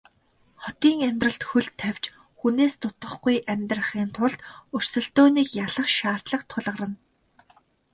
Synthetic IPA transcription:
χɔt̪iːŋæmʲt̪rə̆ɮt̪xɵɮt̪ʰːæw̥ʲt͡ɕ | xuneːst̪ʰʊt̪ə̆χɡujʔæmʲt̪rə̆χiːnt̪ʰʊɮt̪ɵr̥sɵ̆ɬt̪oːniːkjaɮə̆χʃaːr̥t̪ɮə̆χt̪ʰʊɮʁə̆ɾə̆n

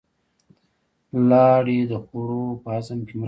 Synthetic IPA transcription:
lɑɽid̪əxoɾopəazamkʲemə

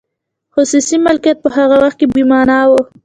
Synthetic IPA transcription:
hʊsusimalkijat̪̚pəɦaɣawaxt̪̚kebimɑnɑwo

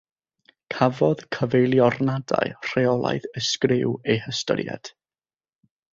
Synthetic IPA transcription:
kʰavɔðkʰəvejlˠjɔrnada̰jr̥eɔlˠa̰jðəskrɪwejhəstɔ̰ɾjɛ̰d̥

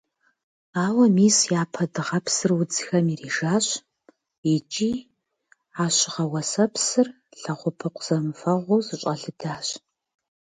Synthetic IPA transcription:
aːwɐmiːsjaːpʰɐdɨʁɐpsɨrwʊd͡zxɐmiriːʒaːɕ | it͡ʃʼiː | aːɕɪʁɐwɐsɐpʰsɨr | ɬɐʁʷʊpʰɨqʷʰz̥ɐmfɐʁʷʊːzɨɕʷʼɐɬɨdaːɕ

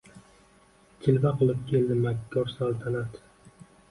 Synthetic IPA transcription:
t͡ʃ̪ʰɪlbaqɨlˠɪp̚kʲʰe̞ld̪ɪmakʲːɒɾsalˠt̪ʰanat̪

